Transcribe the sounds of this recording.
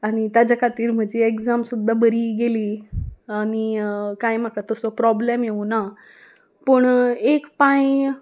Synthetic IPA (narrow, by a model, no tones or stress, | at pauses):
aɽ̃it̪jad͡ʑakʰat̪iːɾm̤əɳd͡ʑeekd͡zamsud̪ʱːabəɾiːɡeliːaɽ̃ikajm̤akat̪əsɔpɾɔblɛmjeũna | pəɳekpãj